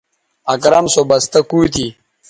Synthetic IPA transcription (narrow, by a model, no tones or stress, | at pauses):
ɐkɾɐmsobɐst̪ɐkuːt̪i